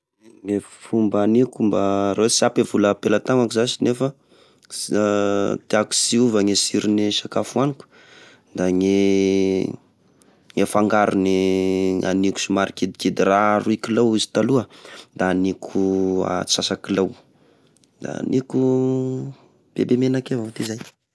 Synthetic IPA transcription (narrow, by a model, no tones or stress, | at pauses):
ŋe | fumbanikumbaɾewesapevuləpelat̪aŋakuzasinefə | t̪iaku̥siuvəŋesiɾiniʃakafuaniku̥ | d̪aŋe | ŋefaŋɡaɾuni | a̰niku̥sumaɾikid̪ikid̪iraɾuikilawizi̥t̪aluəd̪aːnikʰua̰t͡sasakilaw | d̪̥a̰nʔiku | b̥ḛbemenakevat̪izaj